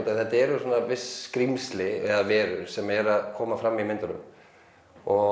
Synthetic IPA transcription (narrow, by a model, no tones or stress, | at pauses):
t̪aθɛt̪aɛɾʏsɔːnːavɪskɾimslɪɛðavɛːɾʏɾsɛmɛɾaðkʰɔːmafɾamːimɪnt̪ʏnʏ̰m | ɔ